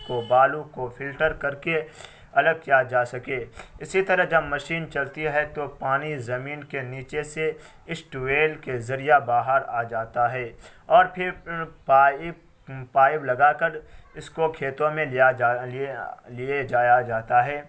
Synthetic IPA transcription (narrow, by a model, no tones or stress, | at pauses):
kobaːlukofʰɪlʈəɾkɐɾke | ɐləɡ̚kijad͡ʒaːsɐkeːɪsit̪ɐɾəɦd͡ʒɐbmɐʃiːnt͡ʃɐlt̪iɦɛt̪opaːnizɐmiːnkeniːt͡ʃese | ɪsʈueːlkezɐɾijabaːɦəɾaːd͡ʒaːt̪aɦɛː | ɔːɾpʰɪɾ | paːɪblɐɡakɐɾɪskokʰeːt̪õmẽja | lied͡ʒaːjad͡ʒaːt̪aɦɛː